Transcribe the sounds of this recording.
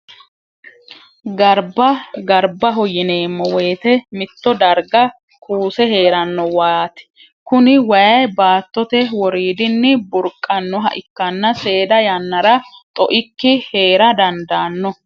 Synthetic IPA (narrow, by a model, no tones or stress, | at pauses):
ɡɐɾbɐɡɐɾbɐɦɔjɪne̞ːmːɔweːt̪ɛmɪt̪ːɔd̪ɐɾɡɐ | kʰuːsɛɦe̞ːɾɐnːɔwaːt̪ɛ̥ | kʊnɪwɐjɐjbaːt̪ːɔt̪ɛwɔɾiːd̪ɪnːɪbʊɾkʼːɐnːɔɦɐ̰ʔɪkːɐnːɐse̞ːd̪ɐjɐnːɐɾɐt̪ʼɔʔɪkːɪhe̞ːɾɐd̪ɐnd̪aːnːɔ